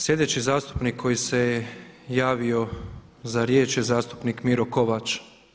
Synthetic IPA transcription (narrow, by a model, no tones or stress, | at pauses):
slʲje̞d̪e̞t͡ɕizaːst̪u̥pnikʰːo̞jise̞jejaːʋio̞ | zaɾje̞ːt͡ʃjezaːst̪u̥pnikmiɾokoʋat͡ʃ